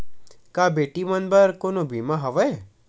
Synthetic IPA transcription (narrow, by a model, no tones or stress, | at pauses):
kabeʈimənbəɾkonobʱimaɦɐʋəe